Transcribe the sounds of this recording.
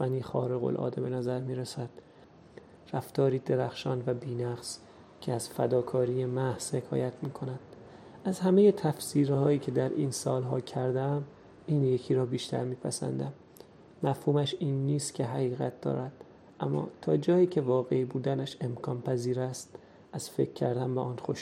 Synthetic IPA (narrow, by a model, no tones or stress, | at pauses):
fæniːxɒ̰ːɾeɣo̰lʔɒ̰ːd̪ebe̞næzæɾmiːɾesæd̪̥ | ræft̪ɒːɾiːd̪e̞ɾæxʃɒːnvæbiːnæɣs | cʰeæz̥fæ̰d̪ɒːkʰɒːɾiːjemæhz̥he̞kʰɒ̰ːjæt̪ʰmiːkʰo̞næd̪̥ | ʔæzhæmejet̪ʰæfsiːɾhɒːjiːcʰe̞d̪æɾʔḭːnsɒːlɦɒːcʰæɾd̪eæm | iːnje̞cʰiːɾɒːbiːʃt̪ʰæ̰ɾmiːpʰæ̰sæ̰nd̪æmː | æfhuːmæʃiːnːiːst̪cʲʰe̞ɦæɣiːɣæ̰t̪̚d̪ɒ̰ːɾæd̪̥̚ | ʔæmːɒ̰ːt̪ʰɒːd͡ʒɒːjiːcʰe̞vɒːɣe̞iːbuːd̪ænæʃe̞mkʰɒːnpʰæziːɾæst̪ | ʔæz̥fe̞̰kʰːæɾd̪æmbeʔɒːnxoʃ